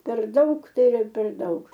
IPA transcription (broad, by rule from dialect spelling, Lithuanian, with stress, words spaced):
pʲɛr ˈdɐʊk ˈtɐɪ ɪˈrɐ pʲɛr ˈdɐʊk